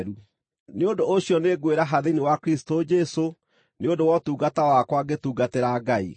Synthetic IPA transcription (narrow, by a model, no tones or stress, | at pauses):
ɾu | neondooɕiɔneɡweɾaɦaðenewakɾisi̥tod͡ʒɛso | neondowɔtuːɡatawakwaɡetuːɡateɾaɡaḭ